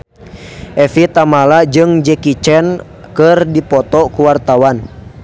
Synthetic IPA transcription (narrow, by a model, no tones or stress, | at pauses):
ʔɛfit̪amalad͡ʒɨŋd͡ʒɛkit͡ʃɛn | kɨrdipɔt̪ɔkuwart̪awan